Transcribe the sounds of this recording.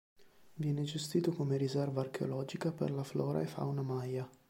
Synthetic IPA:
vjɛːned͡ʒest̪iːt̪okomeɾizɛrvaːrk̟eo̰lɔːd͡ʒikapḛrlaflɔːɾʔa̰efa̰wnamaja

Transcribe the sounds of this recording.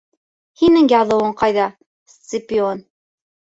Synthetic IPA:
hinɘŋjɑðˠɤ̆wɤɴqɑjðɑ | ssɪpɪon

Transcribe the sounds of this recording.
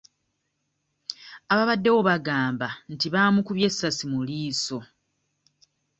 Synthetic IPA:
aβaβadːe̞wo̞βaɡaːmbantiβaːmukuβje̞sːasimuliːso̞

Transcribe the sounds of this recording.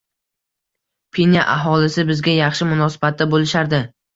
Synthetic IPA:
pʰenʲaʔaɦɒlɪsɪbɪzɡʲajɑχʃɪmʊnɒsɪ̥bat̪̚ːabolɪʃaɾd̪ɪ

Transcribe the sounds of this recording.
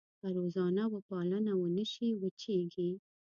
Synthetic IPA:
paɾozɑnawəpɑlənawənəʃiwət͡ʃeɡi

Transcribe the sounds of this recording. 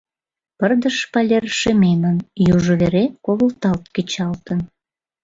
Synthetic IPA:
pərd̪əʃpɑlʲerʃemenənjuʒəβeɾekoβəlt̪ɑlt̪̚ket͡ɕɑlt̪ən

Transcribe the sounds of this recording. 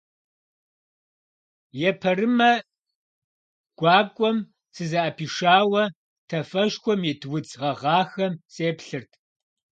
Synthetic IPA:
jɛpʰɐɾɨmɐ | ɡ̥ʷɑːkʷʼɔm | sɨzɐʔɐpʰiːʂaːwɐ | tʰɐfɐʃxʷɔmjitʰwʊd͡zʁɐʁɑːxɐmsʼeːpɬɨrtʰ

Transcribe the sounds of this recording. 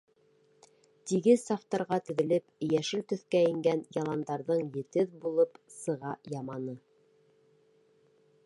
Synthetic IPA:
t̪iɡɘðsɑft̪ɑɾʁɑt̪ɵ̆ðɘ̆lɘpjæʃɘlt̪ɵ̆θkæɘ̆ŋɡænjɑlˠɑnd̪ɑɾðɤɴjɘ̆t̪ɘðbulˠɤpsɤ̆ʁɑjɑmɑnɤ

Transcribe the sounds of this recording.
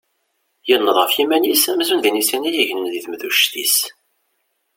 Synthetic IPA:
jənːəðˤʁəfjimænisæmzunðinisinæjiʝnənðiθmðuʃt̪is

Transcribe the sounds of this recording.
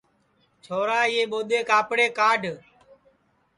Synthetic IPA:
t͡ʃʰoːɾaːiːeːɓoːɗ̪eːkaːpɽeːkaːɖʱ

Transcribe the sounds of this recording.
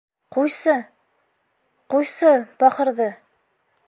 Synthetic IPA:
qujsɤ | qujsɤbɒχɤ̆ɾðɤ

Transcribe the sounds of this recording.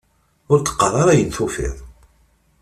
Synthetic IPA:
ʊɾt̪ə̥qːəɾˤɑɾˤajənθʊfɪ̰ðˤ

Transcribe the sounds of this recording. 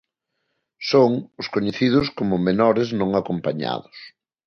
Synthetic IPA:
soŋʊskoɲeθið̞ʊskomʊmenɔɾɪznõŋakompaɲa̰ðʊs

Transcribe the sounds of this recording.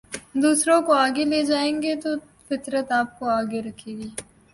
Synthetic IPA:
d̪uːsɾõkoaːɡeleːd͡ʒaːẽːŋɡet̪o | fɪt̪ɾət̪aːp̚koaːɡeɾɐkʰːeːɡiː

